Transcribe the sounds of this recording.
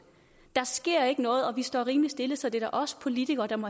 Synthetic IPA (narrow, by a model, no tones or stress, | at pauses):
d̥ɑ̈sɡ̥e̝ɐ̰e̝ɡ̥ənɔ̽ːð̩ˠɒ̽ʋisd̥ɒ̰ːʁiːmlisd̥e̝ləsɒ̽d̥e̝d̥æʔɒ̽sə̥pʰo̝lit͡sʰiɡ̥ɐːd̥ɑ̈mɒ̽